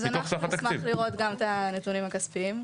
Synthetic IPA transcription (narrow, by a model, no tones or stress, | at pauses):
zanoaχsafat̪akmaivχliʁo̞t̪ɡamt̪anet̪unimakaspiim